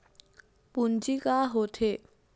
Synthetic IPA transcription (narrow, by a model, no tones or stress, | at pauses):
punt͡ʃikaɦoːt̪ʰe